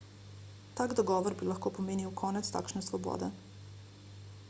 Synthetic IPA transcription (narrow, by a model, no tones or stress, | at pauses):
t̪aɡd̪oɡoʋoɾbilˠaxkopomeːniokʰonat̪st̪a̰kt͡ʃnaslˠobo̰ːd̪a